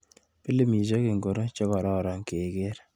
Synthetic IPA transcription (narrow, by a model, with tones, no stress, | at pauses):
pi˦le˦mi˨t͡ʃɔ˦ke˨ŋɡo˨ɾo˦t͡ʃɔ˦kɔ˨ɾɔ˦˨ɾa˨˦ŋke˨ke˦ɾ